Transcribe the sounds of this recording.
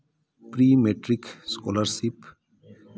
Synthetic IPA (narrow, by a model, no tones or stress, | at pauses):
pɾiːmeʈɾɪkskɔ̰ːləɾsɪp